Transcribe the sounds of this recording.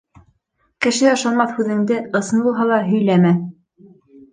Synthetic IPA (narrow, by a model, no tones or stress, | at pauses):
kɘ̆ʃɘɑ̆ʃɑlˠmɑθhʉðɘ̆ŋd̪ɘɤ̆sɤnbulˠɦɑlˠɑɦɵ̆jlæmæ